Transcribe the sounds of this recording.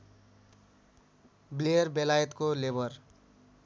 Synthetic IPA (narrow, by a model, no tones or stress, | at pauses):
blejʌɾbelajʌt̪kolebʌr